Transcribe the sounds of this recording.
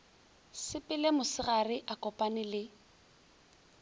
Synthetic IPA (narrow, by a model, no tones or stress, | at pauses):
sɪpʼɪlemʊsɪɣarɪʔakʼɔpʼanɪlɪ